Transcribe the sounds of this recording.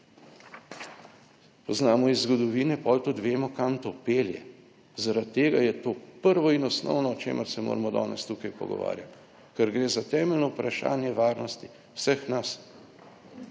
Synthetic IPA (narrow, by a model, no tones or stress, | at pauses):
pɔznaːmɔizːɡɔd̪ɔʋiːnɛpɔlt̪ud̪ʋeːmɔkamt̪opeːljɛ̰ | zaɾat̪t̪ːeːɡajɛt̪oːpəɾʋɔinɔsnɔ̰wnɔɔt͡ʃḛːməɾsɛmo̰ːɾmɔd̪ɔ̰ːnɛst̪ukajpɔ̰ɡɔ̰ʋa̰ːɾjat̪ | kɛɾɡɾeːzat̪ɛːmɛlnɔupɾaʃa̰ːnjɛʋaːɾnɔst̪i | w̥səxnas